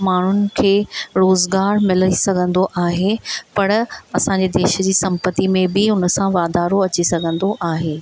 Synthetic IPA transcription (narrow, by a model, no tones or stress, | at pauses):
maːɳ̤ʊnɪ̆kʰeːɾoːzɡaːɾmɪləisɐɡʱə̃nd̪oʔaːɦepɐɾɐsãɲ̆d͡ʑed̪eːʃ̆d͡ʑiːsɐ̃mpət̪imẽbɪʊnə̆sãʋaːd̪aːɾoɐt͡ɕisɐɡʱə̃nd̪oʔaːɦeː